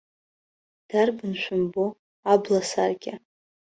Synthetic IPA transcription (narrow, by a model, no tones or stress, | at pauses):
d̥arbɨnʃʷʊmbo | ablasarɡʲa